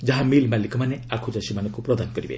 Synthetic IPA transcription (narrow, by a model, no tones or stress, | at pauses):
d͡ʒaɦamilmalikʰɔmaneakʰod͡ʒasimanɔ̃ŋkupɾɔd̪anɔkɔɾibḛ